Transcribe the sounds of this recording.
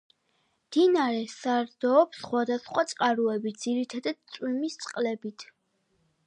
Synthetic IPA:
d̪̥inaɾɛsaɾd̪ɔːpsχwad̪asχwat̪sʼqʼaɾuɛbit̪̚ʰd̪z̥iɾit̪ʰad̪ad̪̥̚t̪sʼwimist̪sʼqʼlɛbit̪ʰ

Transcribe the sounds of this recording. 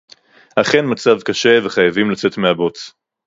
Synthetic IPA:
aχe̞nmat͡savkaʃe̞veχajavimlat͡se̞tmeabo̞t͡s

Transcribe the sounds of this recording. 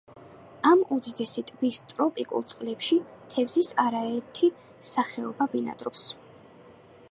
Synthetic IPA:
amud̪id̪ɛsit̪ʼbist̪ʼɾɔpʼikʼṵlˠt̪sʼqʼlɛpʃit̪ʰɛvzisaɾaɛɾt̪ʰi | saχɛɔbabina̰d̪ɾɔps

